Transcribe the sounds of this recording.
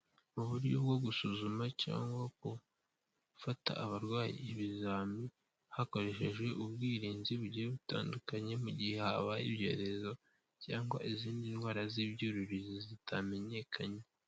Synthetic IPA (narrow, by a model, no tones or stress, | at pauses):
uβuɾɟo̞bɡwo̞ɡusuzumaca̰ːŋɡwak̚o | fata̰ːβaɾɡwaːjḭβizaːmi | hako̞ɾe̞ʃe̞ʒwe̞ʔuβɡiːɾiːnziβuɟieβuta̰ːndukaɲe̞muɟihe̞haβaibɟo̞̰ːɾe̞zo̞ | caːŋɡwaʔiziːndinhwaːɾaziβjuɾuɾizizitʰame̞ɲe̞kʰaɲe̞